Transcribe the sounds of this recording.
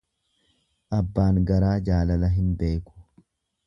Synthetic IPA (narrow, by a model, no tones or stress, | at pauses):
ʔɐbːaːŋɡɐɾaːd͡ʒaːlɐlɐɦɪnbe̞ːkʊ̥